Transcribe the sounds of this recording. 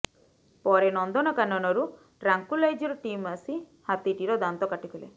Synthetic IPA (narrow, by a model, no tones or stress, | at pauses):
pɔɾenɔnd̪ɔnɔkanːɔnɔɾu | ʈɾaŋkulajd͡ʒɔɾɔʈimasi | hat̪iʈiɾɔd̪ant̪ɔkaʈikʰɔlḛ